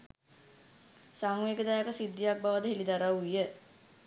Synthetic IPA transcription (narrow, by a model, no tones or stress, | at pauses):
saŋʋeːɡəd̪ajakəsid̪ːijak̚baʋəd̪əɦelid̪aɾaujə